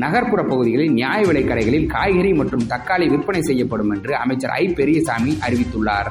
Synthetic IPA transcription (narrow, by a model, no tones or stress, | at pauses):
nɐɣɐɾpɯɾɐpːɐɣɯðɪɣɐɭɪnnɪjaːjɐʋɪɭɐɪkːɐɽɐɪɣɐɭɪlkaːjɣɐɾimɐʈrɯmt̪ɐkːaːɭiʋɪrpɐnɐɪsɛjːɐpːɐɽɯmɛndrɯɐ̰mɐɪt͡ʃːɐ̰ɾɐ̰ɪpːɛɾɪjɐsaːmiʔɐɾɪʋɪt̪ːɯɭːaːɾ